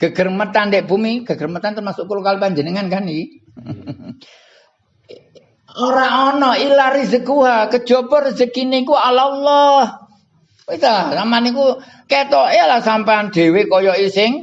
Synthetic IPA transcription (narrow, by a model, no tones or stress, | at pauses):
ɡ̥əɡ̥ərmət̪andɛʔbumiɡ̥ə̤ɡ̥ərmət̪ant̪ərmasʊʔkulukalipaɲd͡ʒənəŋankani | oɾaʔɔnɔilarizəɡuɦakəd̥ʒ̥ɔbɔrəzəkinekualalːɔh | ikasamaniku | kɛt̪ɔʔelasampaand̪̥e̤wekɔjɔisɪŋ